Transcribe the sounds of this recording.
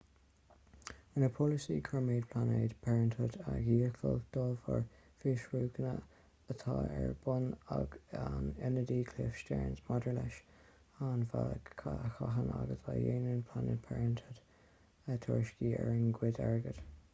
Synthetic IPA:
wɪnəpʰɔlɪsikʰəɹmeːd̚pʰl̥aneːdpʰɛɹəntʰʊdaɡiːəkfəld̪̥ɔːvəɹ | fɪʃɹuːɡənə | ət̪ʰɑːɛɹb̥ʊnaɡanɛnədiːkʰlɪfʃtɛɹnsmɔdəɹlɛʃ | anvaxaɦənaɡətʰajeːnənpʰlaned̚pʰɛɹənt̪ʰʊd̥ | ət̪ʰɔɹʃkiːɛɹənɡwɪdɛɹɡəd̥

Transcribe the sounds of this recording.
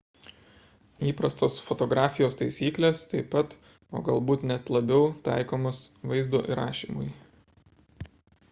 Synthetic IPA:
iːpɾɐst̪oːsfɔt̪ɔɡɾɑːfʲɪjoːst̪ɐɪsʲiːklʲeːst̪ɐɪpɐt̪ | o̰ːɡɐlˠbuːt̪nʲɛt̪lˠɐbʲɛʊt̪ɑɪkoːmoːsʋɐɪzd̪o̰ːʔḭɾɑːʃʲḭːmʊ̰j

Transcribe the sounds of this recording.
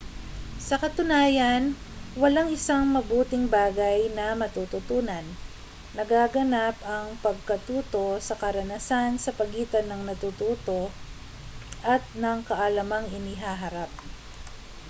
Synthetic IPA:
sɐkɐt̪ʊnaːjɐn | wɐlaŋɪsaŋmɐbuːt̪ɪŋbaːɡɐjnɐmɐt̪uːt̪ʊt̪uːnɐnː | ɐɡaɡɐnapɐŋpɐɡ̚kɐt̪uːt̪o̞sɐkɐɾɐnasansɐpɐɡiːt̪ɐnːɐŋnɐt̪uːt̪uːt̪o̞ | ʔɐt̪̚nɐŋkɐʔɐlɐmaŋɪnɪɦaɦɐɾap̚

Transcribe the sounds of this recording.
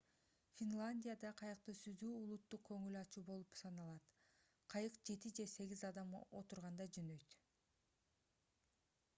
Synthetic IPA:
fʲinlˠanʲdʲijad̪ɑqʰɑjɯq̚t̪ɯsyzd̪yːulˠut̪ːuq̚kø̞ŋylɑt͡ʃuːbo̞lˠupsɑnɑlˠɑt̪ | qʰɑjɯqd͡ʒe̞t̪id͡ʒe̞se̞ɡʲizɑd̪ɑmo̞̰t̪uɾʁɑnd̪ɑd͡ʒønø̞jt̪

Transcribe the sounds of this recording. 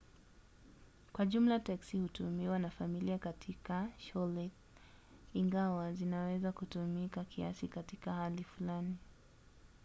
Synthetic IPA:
kwaʄum̩lataksihutumiwanafamiliakatʰikaʃɔlɛ | iŋɡawazinawɛzakutumikakʰia̰sikatikahalifulani

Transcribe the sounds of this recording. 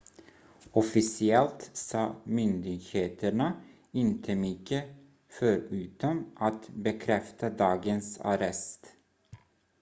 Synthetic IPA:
ɔfɪsɪɛlt̪sɑːmʏnd̪ɪɡheːt̪ʰəɳə | ɪnt̪ʰəmʏkːə | fœɾʉːt̪ɔmʔat̪bɛkʰɾɛft̪ad̪ɑːɡənsa̰ɾɛst̪

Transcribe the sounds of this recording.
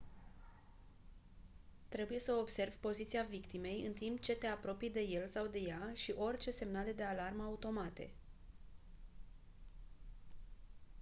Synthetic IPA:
t̪ɾe̞buje̞səo̞bse̞rvʲpo̞zit̪siavikt̪ime̞jɨ̰nt̪impt͡ʃe̞t̪e̞apɾo̞pijd̪e̞je̞lsawd̪e̞jaʃiʔo̞rʲt͡ʃe̞se̞mnale̞d̪e̞alarməaut̪o̞mat̪e̞̰

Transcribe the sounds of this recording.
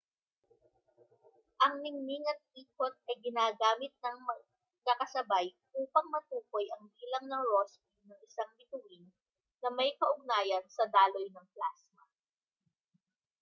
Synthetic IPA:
ʔɐŋnɪŋniŋɐt̪̚ʔiːkot̪̚ɐjɡɪnaːɡaːmɪt̪̚nɐŋmɐ | kɐkɐsɐbaj | ʔuːpɐŋmɐt̪uːkojʔɐŋbiːlɐŋnɐŋɹospinɐŋɪsaŋlɪt̪ʊʔin | nɐmɐjkɐʔʊɡ̚naːjɐnsɐd̪aːlo̞jnɐŋplasmɐ

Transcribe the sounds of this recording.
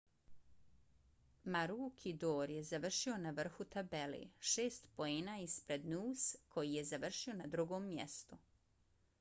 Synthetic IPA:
maɾuːkʰid̪oːɾjezaʋr̩ʃionaʋr̩xut̪abelḛːʃeːst̪po̞eːnaːispɾe̞d̪nuːskʰo̞jijezaʋr̩ʃio̞nad̪ɾuɡo̞ːmːjḛst̪u

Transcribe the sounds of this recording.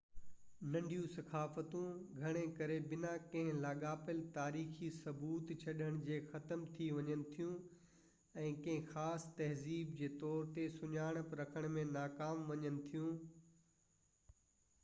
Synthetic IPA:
nɐ̃ɳɖʱijũsɐkaːfət̪ũɡʱɐɽ̃ẽkɐɾebɪnãkɐ̃ɦɪ̃laːɠaːpəlt̪aːɾiːxisɐbuːt̪t͡ɕʰɐɗəɽ̃d͡ʑeːxɐt̪əmt̪ʰiʋɐɲənɪ̆t̪ʰijũ | ɛ̃ːkɐ̃ɦɪ̃xaːst̪ɐɦziːbd͡ʑeːt̪ɔːɾt̪esʊɲaːɽ̃pɾɐkʰəɽ̃mẽnaːkaːmʋɐɲənɪ̆t̪ʰijũ

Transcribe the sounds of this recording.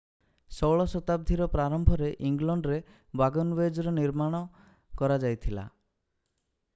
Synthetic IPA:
sɔwɭɔsɔt̪ab̚d̪ʱiɾɔpɾaɾɔmbʱɔɾeʔiŋɡlɔɳɖɾe | baɡɔnbed͡ʒɔɾɔniɾmaɽ̃ɔ | kɔɾad͡ʒajt̪ʰila̰

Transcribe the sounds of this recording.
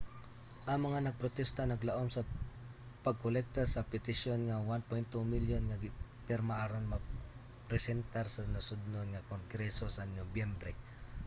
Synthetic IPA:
ʔɐŋmɐŋanɐɡ̚pɾot̪ɛst̪anɐɡlaʔomsɐ | pɐɡ̚kʊlɛk̚t̪asɐpɪt̪ɪʃjonŋawanpojnt̪ːumiljonŋaɡɪpɛɾmaʔaɾonma | pɾɛsɛnt̪aɾsɐnɐsʊd̪̚nonŋakoŋɡɾɛsosɐnobjɛmbɾɛ

